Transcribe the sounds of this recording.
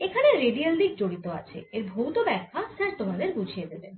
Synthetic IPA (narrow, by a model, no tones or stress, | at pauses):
ekʰaneɾeɖialːiɡ̚d͡ʑoɽit̪oa̰t͡ɕʰḛeɾbʱowt̪obɛkʰːasɛɾt̪omad̪eɾbud͡ʑʱijed̪eben